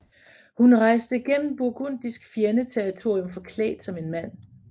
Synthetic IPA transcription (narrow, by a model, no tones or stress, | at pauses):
hunʁɑ̈ɪsd̥əiɡ̥en̰m̩b̥uɐɡ̥on̰d̥isɡ̥fjeɐnət͡sʰeɐʁit͡sʰo̝ɐ̰jomfɒ̽kʰlɛ̰ːd̥sɒ̽me̝nmæn̰